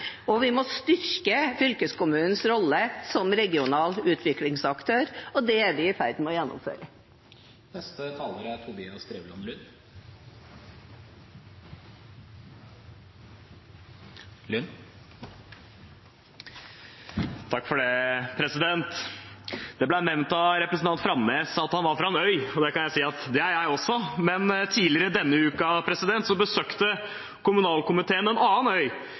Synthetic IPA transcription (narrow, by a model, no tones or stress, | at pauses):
ɔʋɪmɔst̪ʏɾkəfʏlkəskʊmʉːnn̩sɾɔlːəsɔmɾɛɡɪʊnɑːlʉːt̪ʰʋɪklɪŋsɑkt̪ʰøːɾɔd̪ɛæɾʋɪfæɾd̪n̩mɔjɛnːʊ̰mfø̰ːɾə | bɛst̪ət̪ʰɑːləɾəæɾt̪ʰʊbɪːɑst̪ɾeːʋlɑnlʏn | lʏn | t̪ʰɑkːfɔɖɛpʰɾɛsɪd̪ɛnt̪ | d̪ɛblænɛʋnt̪ɑɾɛpɾəsn̩t̪ɑnt̪fɾɑmleːsɑt̪hɑnʋɑɾfɾɑɛnœʏɔd̪ɛkɑnjæɪsiːɑt̪d̪ɛæɾjæɪɔsːɔmɛnt̪ʰiːlɪəɾəd̪ɛnːəʉːkɑpʰɾɛsɪd̪ɛnt̪sɔbəsøːkt̪ə | kʊmʉnɑːlkʊmɪt̪ʰeːənɛnɑːənœʏ